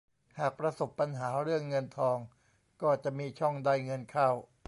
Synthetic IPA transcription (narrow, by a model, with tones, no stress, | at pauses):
haː˨˩k̚pɾa˧so˨˩pːa˧nɦaː˩˦ɾɯ˥˩əŋːɤ˧nt̪ʰɔː˧ŋ | kɔː˥˩t͡ɕa˨˩ʔmiː˧t͡ɕʰɔ˥˩ŋda˧˥˩jŋɤ˧nkʰaː˥˩w